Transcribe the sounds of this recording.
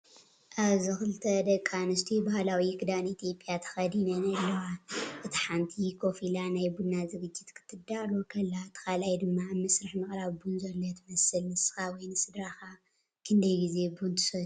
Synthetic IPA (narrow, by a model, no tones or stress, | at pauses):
ʔaβzɨxɨlt̪ʰɐd̪ɐkʼːanɨst̪ʰibahlawikɨd̪anit̪ʰjo̞pʼːjat̪ʰɐ̥xɐd̪inɐnɐlːɐwaʔɨt̪ʰi̥ħant̪ʰikʰo̞filanajbunazɨɡɨd͡ʒːit̪kʰɨ̥t̪ʰːɨd̪alokʰɐlːat̪ʰːɨ̥kalajd̪ɨmːamːɐsɾɨħmɨxʼɾaβbunzɐlːot̪ʰɨmɐsɨlnɨsɨ̥xawɔjnɨsɨd̪ɾaxa | kʰɨnd̪ɐjɡize̞bunt̪ʰɨ̥sɐ